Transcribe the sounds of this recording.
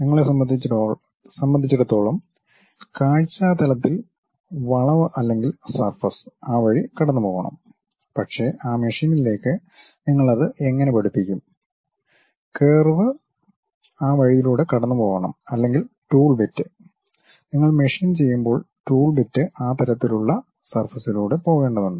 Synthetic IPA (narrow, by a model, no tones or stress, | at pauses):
niŋːɐɭesɐɐd̪i | sɐmbɐnd̪ʱit͡ɕːiɽut̪ːo̞ːɭɐm | kaːɻit͡ɕːaːt̪ɐlɐt̪ːil | ʋɐɭɐʋɨʔɐlːe̞ŋɡilsɐrfɐsaːʋɐɻikɐɽɐnːɨpo̞ːɣɐ̰ɳɐ̰m | pɐʈʂeːʔaːmeʂiːniile̞ːkːɨ | niŋːɐɭɐðɨʔe̞ŋːɐnepɐɽupːikʲːum | keːrʋɨ | aːʋɐɻijiluːɽekɐɽɐnːɨpo̞ːɣɐɳɐ̰mɐlːe̞ŋɡilʈuːɭbitːɨ | niŋːɐɭmeʂiːnt͡ɕe̞jːumbo̞ːɭʈuːɭbitːɨʔaːt̪ɐlɐt̪ːiluɭːɐ | sɐrfɐsiluːɽe̞po̞ːɣe̞ːɳɖɐðeɳːɨ